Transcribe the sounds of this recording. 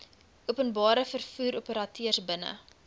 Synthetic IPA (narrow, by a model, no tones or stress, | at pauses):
uəpənbɑːɾəfərfuːɾupəɾɐtyərsbənə̰